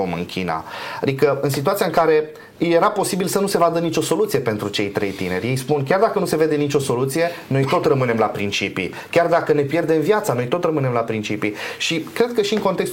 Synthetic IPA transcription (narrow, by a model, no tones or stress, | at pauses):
omɨ̰ŋkʲina̰a̰d̪ikəɨns̬it̪uat̪sijaɨŋkaɾe̞ | ɨjeɾapo̞sibilsənuse̞vad̪ənit͡ʃo̞so̞lut̪sije̞pe̞nt̪ɾut͡ʃe̞jt̪ɾejt̪ḭne̞̰ɾʲje̞jspunkʲard̪akənuse̞ve̞d̪e̞nit͡ʃo̞so̞lut̪sije̞no̞jt̪o̞t̪rəmɨne̞mlapɾint͡ʃipḭ | kʲard̪akəne̞pje̞rd̪e̞mvjat̪sano̞jt̪o̞t̪rəmɨne̞mlapɾint͡ʃipiʃikɾe̞d̪̚kəʃiɨŋko̞nt̪ekst̪